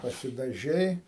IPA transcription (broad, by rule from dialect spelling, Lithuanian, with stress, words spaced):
pɐsʲɪdɐˈʒʲɛɪ